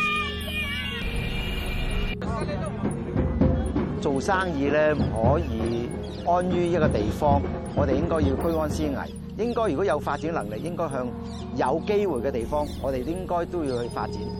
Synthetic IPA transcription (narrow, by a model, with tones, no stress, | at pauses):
t͡so˨wsaː˥ŋjiː˧lɛː˥m̩˨˩hɔː˨˥jiː˨˧ | ŋɔː˥njyː˥jɐ˥t̚kɔː˧t̪e˨jfɔː˥ŋŋɔː˨˧t̪e˨jɪ˥ŋkɔː˥ji˧wkɵ˥ɥŋɔː˥nsiː˥ŋɐ̰˨˩j | jɪ˥ŋkɔː˥jyː˨˩kɔ˨˥jɐ˨˧wfaː˧t̚t͡siː˨˥nlɐ˨˩ŋlɪ˨k̚jɪ˥ŋkɔː˥jɦœː˧ŋ | jɐ˨˧wke˥jwuː˨˩jkɛː˧t̪e˨˩jfɔː˥ŋŋɔː˨˧t̪e˨jɪ˥ŋkɔː˥jt̪o˥wjiː˧whɵ˧ɥfa̰ː˧t̚t͡sḭː˨˥n